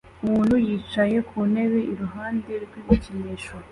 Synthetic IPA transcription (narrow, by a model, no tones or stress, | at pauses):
umuːnhujiːt͡ʃaje̞kʰune̞βe̞ʔiɾuɦaːnde̞ɾɡwiːβiciɲeʃoɾ